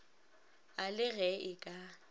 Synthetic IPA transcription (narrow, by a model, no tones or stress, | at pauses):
alɪɣɛʔɪkʼa